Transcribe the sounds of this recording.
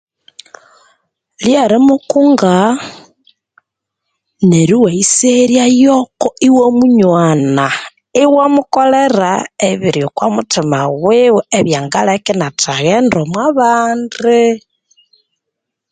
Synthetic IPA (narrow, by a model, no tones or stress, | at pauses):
ljaɾimukuŋɡa | neɾiwaiseɾjajokoiwomuɲwana | iwamukoleɾaeβiɾjokwamutimaɣwiweβjaŋɡalakinatʰaɣendomwaβaːndi